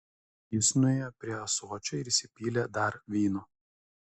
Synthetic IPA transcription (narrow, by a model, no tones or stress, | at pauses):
jɪsnʊeːjɛpʲɾʲiɛɐsuɔt͡ʃʲʊɪɾisʲɪpʲiːlʲed̪ɐɾʋʲiːnuː